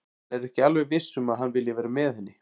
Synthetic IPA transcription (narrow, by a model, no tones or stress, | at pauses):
ɛɾɛhcɪalvɛvɪsːʏmaðɦanːvɪljɪvɛːɾamɛðhɛnːɪ